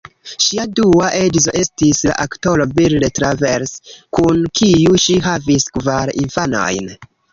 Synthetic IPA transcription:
ʃiaduaʔe̞dzo̞ʔe̞stisla̰ʔakto̞lo̞bildetɾave̞ɾskunkijuʃiɦaviskvaɾḭnfano̰jn

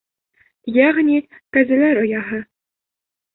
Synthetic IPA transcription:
jæʁnʲit̪æzɘ̆læɾŏjɑɦɤ̆

